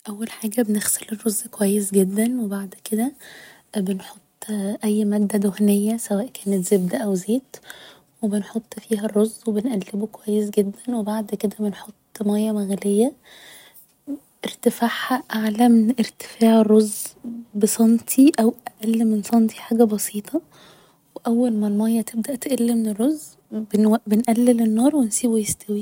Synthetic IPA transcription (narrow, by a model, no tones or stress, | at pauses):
ʔæwːælħaːɡæbenexselerˤːozːkowæjːesɡed̪ːænwebaʕd̪ked̪æ | benħot̪ˤːʔæjːmæːd̪ːæd̪ohnejːæsæwæːʔkʰæːnet̪zebd̪æʔæwzeːt̪ | webenħot̪ˤːfiːɦærˤːozːwebenʔælːebokowæjːesɡed̪ːænwebaʕd̪ked̪æbenħot̪ˤːmæjːæmæɣælejːæ | ʔeɾt̪efaʕhæʔaʕlæmenʔeɾt̪e̥faːʕerˤːozːbesˤɑnt̪ʰiʔæwʔæʔælːmensˤɑnt̪ʰi̥ħaːɡæbɑsiːt̪ʰˤɑ | weʔæwːælmælmæjːæt̪ebd̪æʔt̪ʔælːimenerːozː | bnbenʔælːelenːɑːɾˤwensiːbujest̪æwiː